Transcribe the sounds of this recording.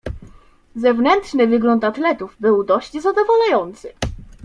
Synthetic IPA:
zɛvnɛntʂnɘvɘɡlɔnt̪at̪lɛt̪uvbɘwd̪ɔɕt͡ɕzad̪ɔvɔlajɔnt̪sɘ

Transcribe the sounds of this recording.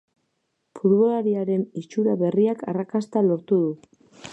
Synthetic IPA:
puɾβo̞laɾiaɾe̞nit͡ʃuɾaβe̞riakarakast̪alo̞ɾt̪uðu

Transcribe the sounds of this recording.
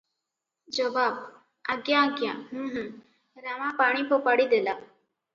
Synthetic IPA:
d͡ʒəbaːb̚ | aɡjãəɡjã̰ɦə̃ɦ | ɾamãpaɽ̃ipʰopaɽid̪ela

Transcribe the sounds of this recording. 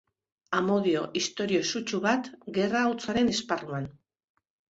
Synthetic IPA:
amo̞ðio̞ʔist̪o̞ɾio̞sut͡ʃuβat̪ɡe̞rawt͡saɾe̞nesparuan

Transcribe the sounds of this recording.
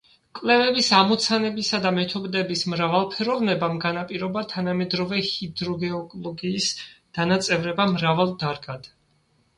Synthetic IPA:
kʼlɛvɛbisamɔt̪sʰanɛbisad̪amɛt̪ʰɔbd̪ɛbismɾavalˠpʰɛɾɔvnɛbamɡanapʼiɾɔbat̪ʰanamɛd̪ɾɔvɛhid̪ɾɔɡɛɔkʼlˠɔɡiːsd̪̥anat̪sʼɛvɾɛbamɾavalˠd̪aɾɡad̪̥

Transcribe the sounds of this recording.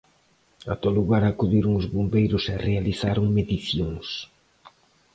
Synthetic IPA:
a̰t̪oluɣaɾakuðiɾoŋʊzβombejɾʊsɛrealiθaɾʊŋmeðiθjõŋs

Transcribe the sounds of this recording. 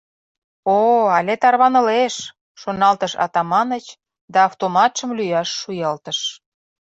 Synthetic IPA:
oɑlʲet̪ɑrβɑnə̆leʃ | ʃonɑlt̪əʃɑ̰t̪ɑmɑnət͡ɕ | d̪ɑːft̪omɑt̪ʃəmlyjɑʃːujɑlt̪əʃ

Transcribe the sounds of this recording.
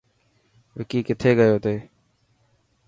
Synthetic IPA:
ʋɪkiːkɪt̪ʰeːɡəjoːt̪eː

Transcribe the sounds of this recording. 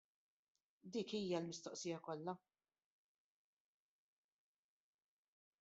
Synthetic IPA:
d̪iːkiːjɐlmɪst̪ɔʔsiːjɐkɔlːɐ

